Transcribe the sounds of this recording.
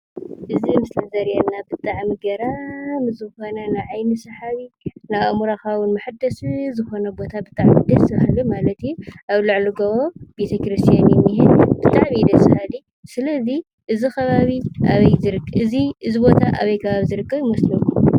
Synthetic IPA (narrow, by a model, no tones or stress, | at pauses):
ʔɨzimɨslɐzɐɾjanːabɨt̪ʼaʕmiɡɐɾamzɨxo̞nɐnajʕajnisɐħaβinaβamuɾaxawʊnmaħad̪ɐsɨzɨxo̞nɐbo̞t̪ʰabɨt̪ʼaʕmid̪ɐsɐβhalumalɐt̪ijːuʔaβlɨʕluɡɐβob̥et̪ʰɐkɾist̪ʰijanjɛmːihɪnbɨt̪ʼaʕmid̪ɐsɨhali | sɨlɐzi | ʔɨzixʰɐβaβiʔaβɐjzɨɾkɨziʔɨzibo̞t̪ʰaʔa̰βɐjkʰɐβaβizɨɾɨkʰʼːɐβjɪmɐslɐku